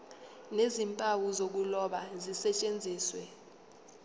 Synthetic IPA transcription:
nezimpʼawuzok̬ulɔɓazisɛt͡ʃʼend͡zʱiːswɛ

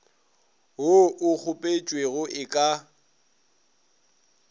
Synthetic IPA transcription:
ɦʊʔʊk͡xʰʊpʼet͡ʃʼweɣʊʔɪkʼa

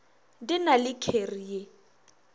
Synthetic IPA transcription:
dɪnalɪkʰerie

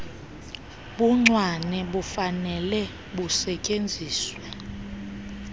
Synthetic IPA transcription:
ɓuŋ͡ǀwanɛɓufanɛlɛ | ɓusɛcʼend͡zʱiːswɛ

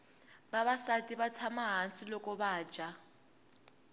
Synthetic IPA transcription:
baβasatiβat͡sʰamaɦansilɔkɔβḁːd͡ʒʱʼa

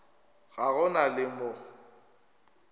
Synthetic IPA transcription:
ɣaɣʊnalɪmʊ

